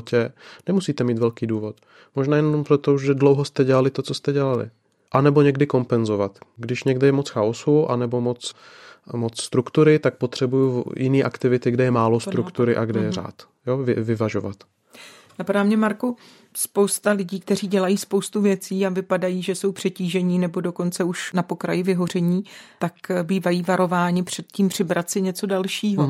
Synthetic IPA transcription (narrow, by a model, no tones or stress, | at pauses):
cɛnɛmusiːt̪ɛmiːt̪vɛlkiːduːvo̞t̪ | mo̞ʒnaːjɛnnompɾot̪ouʒʒɛdlowɦost̪ɛɟɛlalɪt̪o̞t͡sost̪ɛɟɛlalɪ̰ | ʔanɛbo̞ɲɛɡdɪko̞mpɛnzo̞vat̪ɡdɪʃɲɛɡdɪjɛmot͡sxaosuʔa̰nɛbo̞mo̞t͡s | mot͡sst̪ɾukt̪uɾɪt̪ak̚po̞t̪r̥ɛbujujʔɪniːʔakt̪ɪvɪt̪ɪɡdɛjɛmaːlo̞st̪ɾukt̪uɾɪʔaɡdɛjɛra̰ːt̪ | jovɪ̰vɪvaʒova̰t̪ | napadaːmɲɛmaɾku | spowst̪alɪɟiːk̚t̪ɛr̝iːɟɛlajiːspo̞wst̪uvjɛt͡siːavɪpadajiːʒɛso̞wpr̝̥ɛciːʒɛɲiːnɛbo̞do̞ko̞nt͡sɛuʃnapo̞kɾajɪvɪɦo̞rɛɲiːt̪akbiːvajiːvaɾo̞vaːɲɪpr̝̥ɛt̪̚ciːmpr̝̥ɪbɾat̪sɪɲɛt͡so̞dalʃiːɦo